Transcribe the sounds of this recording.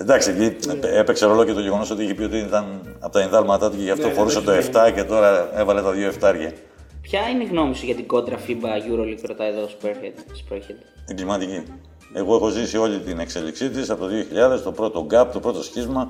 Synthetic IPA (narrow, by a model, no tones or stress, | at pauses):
end̪ɐksiciepe̞kseo̞lo̞ce̞t̪oʝeɣo̞no̞so̞t̪ieçipiot̪it̪ɐnɐpot̪ɐenðɐlmɐt̪ɐt̪uceʝɐft̪o̞xo̞ɾuset̪o̞eft̪ɐce̞t̪o̞ɾɐe̞vɐlet̪ɐðʝoeft̪ɐɾʝɐ | pçɐineɣno̞misiʝɐt̪iɡo̞d̪ɾɐfibɐʝuɾolikɾot̪ɐeðosu̥peɾxet̪spɾoçet̪eŋɡlimɐt̪ici | e̞ɣo̞exo̞zisio̞ʎit̪ine̞kse̞lḭksit̪isɐpot̪oðio̞çiʎɐðe̞st̪o̞pɾo̞t̪o̞ɡɐp̚t̪opɾo̞t̪o̞sçizmɐ